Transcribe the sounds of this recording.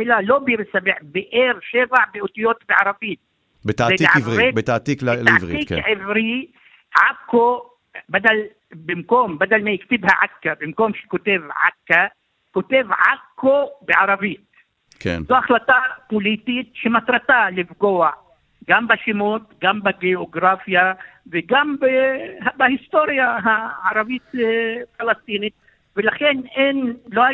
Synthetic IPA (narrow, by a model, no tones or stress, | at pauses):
ʔelalobɪɾsabeħbeʔeɾʃevaʕbiʔut̪ijoːt̪beʕɑɾˤɑviːt̪̚ | bet̪aeʕaebet̪at̪ik̪a̰ʁikʕevɾi | ʕakːo | bad̪al | bɪmkombad̪almajɪkt̪ibhaʕakːabɪmkomʃe̥kot̪evʕa̰kːa | kot̪evʕakːobeʕaɾˤɑvit̪̚ | kḛzoʔaχlat̪apolit̪it̪ʃemat̪ɾat̪alifɡoaʕ | ɡambaʃimot̪ɡambaɡeoɡɾafjaveɡambeabahist̪oɾjaɦaʕaɾˤɑvit̪falast̪init̪̚ | velaxenʔenloha